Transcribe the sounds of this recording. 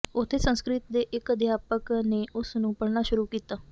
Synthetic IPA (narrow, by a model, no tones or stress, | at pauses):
ot̪ʰesə̃skɾit̪d̪eʔekəd̪ʱjapəkneʔosnũːpəɽnaɕuɾukit̪ə